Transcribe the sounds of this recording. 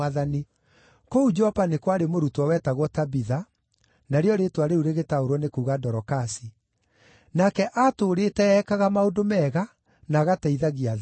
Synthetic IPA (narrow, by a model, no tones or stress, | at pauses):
aðani | koud͡ʒɔpanekwaɾemoɾutwɔwɛtaɣwɔtabiða | naɾeɔɾetwaɾeuɾeɣetaoɾwɔnekuɣadɔɾɔkasi | nakɛʔatoːɾetɛɛkaɣamaodomɛɣa | naɣatɛiðaɣia